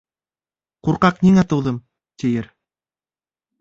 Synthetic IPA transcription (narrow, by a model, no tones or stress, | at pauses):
quɾqɑqniŋæt̪ɤ̆wðɤm | t̪ĭjɘɾ